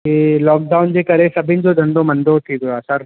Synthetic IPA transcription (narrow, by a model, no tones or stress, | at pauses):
elɔːk̚ɖaːʊnd͡ʒekɐɾesɐbʱɪ̃nd͡ʒod̪ʱɐ̃nd̪õmɐ̃nd̪ot̪ʰiɡoaːsɐɾ